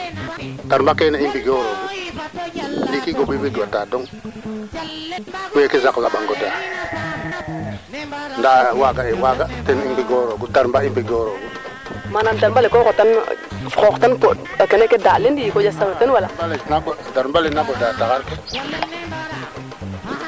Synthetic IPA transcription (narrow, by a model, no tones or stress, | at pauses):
taɾmbakeneimbiɡoɾoɡu | ndikiɡoɓibiɡwatadoŋ | wekizaklaɓaŋɡoda | ndawaɡaewaɡatenimbiɡoɾoɡutaɾmbaimbiɡoɾoɡu | manamdaɾmbalekokotanfoktanpod | akenekedalendikod͡ʒasaŋtenwalaalenaɡodaɾmbalenaɡodatakaɾke